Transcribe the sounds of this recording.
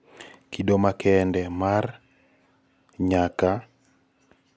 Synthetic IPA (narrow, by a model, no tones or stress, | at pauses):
kidomakɛːndɛmar | ɲaka